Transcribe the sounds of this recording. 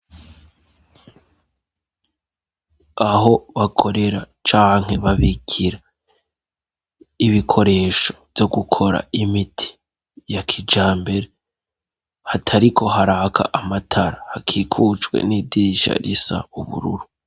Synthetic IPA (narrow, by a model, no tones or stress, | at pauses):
aɦo̞βakʰo̞ɾe̞ɾa | t͡ʃaːŋɦe̞βaβiɡʰiɾa | iβikʰo̞ɾe̞ːʃo̞̥vjo̞ɡukʰo̞ɾa̰imitʰi̥ | jakʰid͡ʒaːmbe̞ɾe | hatʰaɾikʰo̞haɾaːkʰa̰ʔamatʰaɾahakʰiːkʰut͡ʃɡwḛnidiiʃa̰ɾisa̰uβṵɾṵɾu